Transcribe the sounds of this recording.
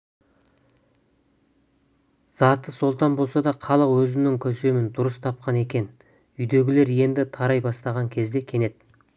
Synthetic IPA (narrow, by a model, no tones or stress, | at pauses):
z̥ɑt̪əso̞lˠt̪ɑnbo̞lˠsɑd̪ɑqʰɑlˠəqwɵzɪnɪŋkʲʰɵse̞mɪnd̪ʊɾəst̪ʰɑp̚qɑne̞kʲe̞n | ʏjd̪e̞ɡʲɪle̞ɾje̞nd̪ɪt̪ʰɑɾɑjbɑst̪ɑʁɑŋkʲʰe̞zd̪e̞kʲʰe̞ne̞d̪̥